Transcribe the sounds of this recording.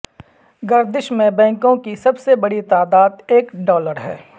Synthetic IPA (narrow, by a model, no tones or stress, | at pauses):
ɡɐɾd̪ɪʃmẽbɛ̃ːŋkõkisɐbsebɐɽit̪aːd̪aːd̪eːkɖɔːləɾɦɛ̰ː